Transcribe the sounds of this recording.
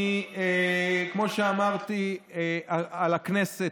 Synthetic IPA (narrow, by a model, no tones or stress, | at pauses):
ekmo̞ʃeamaʁt̪i | aalaknese